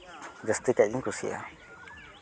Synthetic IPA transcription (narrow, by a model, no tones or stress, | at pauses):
d͡ʒəst̪ikad͡ʒĩŋkusḭa̰